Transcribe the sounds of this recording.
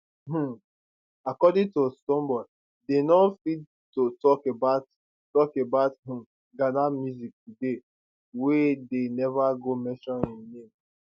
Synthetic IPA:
m̩ | akɔdĩŋtostɔ̃mbɔ | denɔfid | totɔkebaʊt | tɔkebaʊtɦĩm | ɡanamjuzik̚tude | wedenɛvaɡomɛ̃ʃɔñĩnẽm

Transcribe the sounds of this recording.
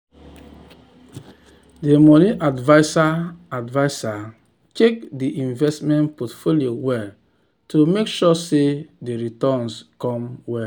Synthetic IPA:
demɔnĩʔadvaɪsaadvaɪsa | tek̚diʔĩnvɛstmɛ̃ntpɔtfoliowɛ | tʰomekʃɔsedeɹitɔ̃nskɔ̃mwɛ

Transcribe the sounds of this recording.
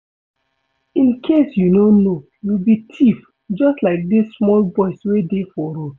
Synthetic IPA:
ĩnkʰesjunono | jubitʰif | d͡ʒɔstlaɪk̚dissmɔlbɔɪswedefɔɾo

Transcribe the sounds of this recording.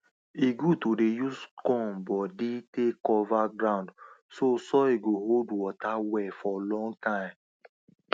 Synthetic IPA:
iɡutodejuskɔ̃nbɔditekɔvaɡɹãʊ̃ndsosɔiɡoɦoldwɔtawɛfɔlɔ̃ŋɡtãɪ̃m

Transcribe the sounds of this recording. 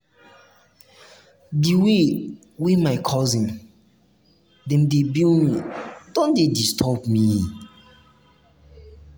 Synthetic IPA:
diwe | wemaɪkʰɔzĩn | dɛ̃mdebilmidɔ̃ndedistʰɔpmi

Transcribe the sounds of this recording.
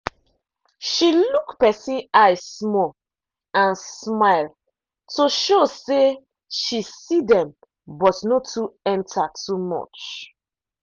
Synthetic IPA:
ʃilukpɛsĩnaɪsːmɔ | ãnsmaɪl | tʰoʃose | ʃisidɛ̃m | bɔtnotʰuɛ̃ntʰatʰumɔ̰t͡ʃ

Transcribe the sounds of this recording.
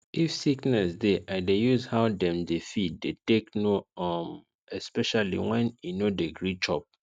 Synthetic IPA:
ʔifsiknɛsdeʔaɪdejuzhaʊdɛ̃mdefit̚deteknoɔm | ɛspɛʃalḭwɛ̃ninodeɡɹit͡ʃɔ̰p̚

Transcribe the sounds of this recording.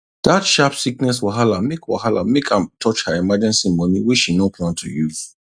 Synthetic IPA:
d̥atʃapsiknɛswɔɦalamekwɔ̰halã̰mekʰãmtʰɔt͡ʃhaɹimad͡ʒɛ̃nsimɔniwiʃinopʰlãntʰujuv̥

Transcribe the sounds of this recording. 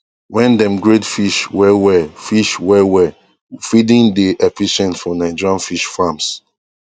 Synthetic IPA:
wɛ̃ndɛ̃mɡɹetfiʃwɛwɛfiʃwɛwɛ | fidĩndeʔɛfiʃɛ̃ntfɔnaɪd͡ʒɹãnfiʃfãms

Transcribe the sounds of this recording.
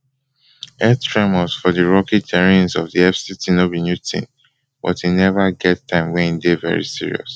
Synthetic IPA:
ɛtʰɹɛməlsfɔdiɹɔkid͡ʒɛɹĩnsɔvdiɛfsitʰinobinjutʰḭ̃n | b̥ɔ̰tinɛvaɡɛtːãɪ̃mwɛ̃nidevɛ̰ɹḭsiɹḭɔ̰s

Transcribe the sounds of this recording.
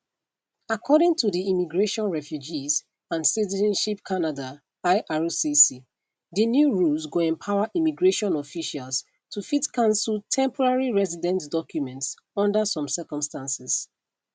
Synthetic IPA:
akʰɔɾɪ̃ŋtʰuðiimiɡɹeʃɔ̃nɹɛfjud͡ʒiz | ãnsitizɔ̃nʃipkʰanada | aɪʔaɹusisi | dənjuɹulzɡoɛ̃mpʰaʊəʔimiɡɹeʃɔ̃nɔfiʃals | tʰufitkʰãnsultʰɛ̃mpʰɔɹaɹiɹɛzidɛ̃ntdɔkjumɛ̃nts | ɔ̃ndəsɔ̃msɜkɔ̃mstãnsɪs

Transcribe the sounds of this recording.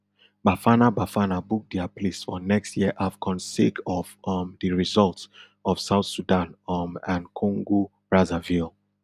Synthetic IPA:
bafanabafanabuk̚diapʰlesfɔnɛkstjiəʔafɡʰɔ̃nsːekɔvʌmdɨɹizɔlˠt | ɔv̥saʊθsudãnmãnkʰɔ̃ŋɡu | ɹazavil

